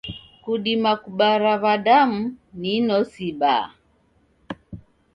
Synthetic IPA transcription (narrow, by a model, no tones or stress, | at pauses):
kuɗimakuɓaɾaβaɗam̩ninɔsiba̰